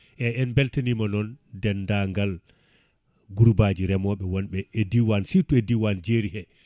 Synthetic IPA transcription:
ʔɛɛnbɛltenimanɔndɛndaŋɡal | ɡuɾbaːd͡ʒiɾɛmɔɓɛwɔnɓɛːdiwansituɛdiwand͡ʒeɾihɛ

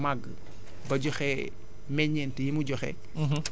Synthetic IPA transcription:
maɡː | bɐɟɔxɛ | mɛɲɛntəjimuɟɔxɛ̰

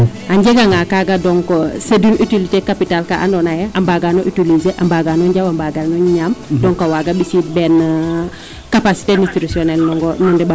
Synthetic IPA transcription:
aɲɟeɡaŋakaɡadɔŋkosedunytilitekapitalkaʔa̰ndɔnajɛʔambaɡanoʔytilizeʔambaɡanɔɲɟawambaɡanɔɲamdɔŋkawaɡabisit̚bɛn | kapasi̥tenistiɾusiɔnɛlnɔŋɡɔnɔndɛba

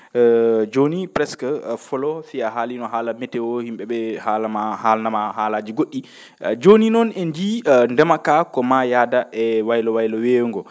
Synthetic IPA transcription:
d͡ʒonipɾɛskfɔlɔsiaɦaːlinɔɦaːlamɛtɛwɔhimɓɛɓɛhalamahalnamahaːlaːd͡ʒiɡoɗːi | d͡ʒoninɔnɛnd͡ʒindɛmakakɔmajaːdaʔɛwajlɔwajlɔweːŋɡɔ

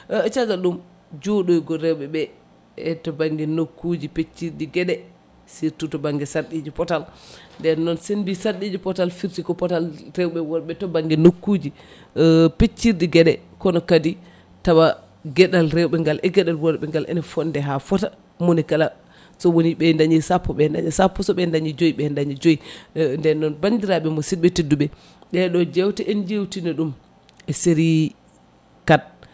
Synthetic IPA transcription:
t͡ʃazaɗum | d͡ʒoɗojɡɔɾɛwɓɛɓɛː | tɔbaŋɡɛnokːud͡ʒipet͡ʃːiɾdiɡɛɗɛ | siɾtutɔbaŋɡɛsaɗid͡ʒipɔtalndɛnɔnsenbisaɗid͡ʒipɔtalfiɾtikɔpɔtalɾɛwɓɛwɔɾɓɛtɔbaŋɡɛnokːud͡ʒi | pet͡ʃːiɾdiɡɛɗɛ | kɔnɔkadi | tawa | ɡɛɗalɾɛwɓɛŋɡalʔɛɡɛɗalwɔɾɓɛŋɡalʔɛ̰nɛfɔndɛɦafɔta | monikala | sɔwoniɓɛndaɲisapːɔɓɛnda̰ɲisapːɔsɔɓɛndaɲid͡ʒojiɓɛndaɲid͡ʒojindɛnːɔnbandiɾaɓɛmɔsiɓetiduɓɛ | ɗɛɗɔd͡ʒɛwtɛʔɛnd͡ʒewtinɛɗum | ɛseɾi | kad̚

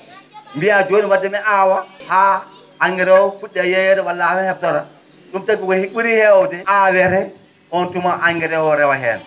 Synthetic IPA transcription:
mbiad͡ʒoːniwadːɛmɛʔawahaː | ŋɡɛɾɛwɔkuɗːɛjɛjɛɾɛwalːafɛhɛp̚tɔɾa | ɗumtabiɡɔhiɓuɾihɛwɔdɛʔawɛɾɛ | ɔntumaʔaŋɡɛɾɛwɔɾɛwaɦɛ̰ːna

